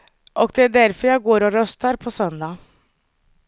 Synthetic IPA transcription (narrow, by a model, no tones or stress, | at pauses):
ʔɔɡd̪ɛæɖæɾfɔɾjæɪɡoːɾɔɾœst̪əɾpʰɔsœnd̪ɑ